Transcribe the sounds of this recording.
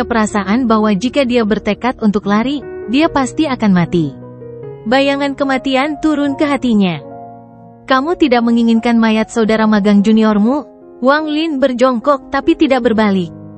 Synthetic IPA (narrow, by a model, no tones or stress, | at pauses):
apəɾasaʔanbaɦwad͡ʒikadiabərt̪əkat̪unt̪ʊklaɾidiapast̪iakanmat̪i | bajaŋankəmat̪iant̪uɾʊnkəɦat̪iɲa | kamut̪idak̚məŋiŋɪnkanmajat̪̚saudaɾamaɡaŋd͡ʒuniɔrmu | waŋlinbərd͡ʒɔŋkɔk̚t̪apit̪idak̚bərbalɪk̚